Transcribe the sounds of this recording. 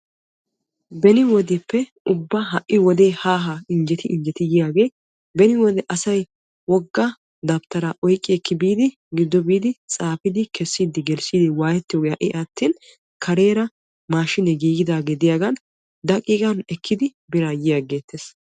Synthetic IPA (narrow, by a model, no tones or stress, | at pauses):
bɛnɪwɔd̪ɛpːɛ | ʊbːaɦɐʔːɪwɔd̪eːhaːɦaɪnd͡ʒɛt̪ɪʔɪnd͡ʒɛt̪ɪjɪjaːɡe̞ː | bɛnɪwɔd̪ɛʔɐsɐj | wɔɡːɐ | d̪ɐbt̪ɐɾaʔɔjkʼːɪkʰːɪbiːd̪ɪ | ɡɪd̪ːɔbiːd̪ɪt͡sʼaːfɪd̪ɪkʰɛsːiːd̪ɪɡɛlsiːd̪ɪwaːjɛt̪ːɪjoːɡejaʔɪʔɐt̪ːiːn | kʰɐɾe̞ːɾɐ | maːʃɪnɛɡiːɡɪd̪aːɡeːd̪ɪjaːɡɐn | d̪ɐkʼːiːɡɐnɛkʰːɪd̪ɪbɪɾaːjɪjaɡe̞ːt̪ʰːeːs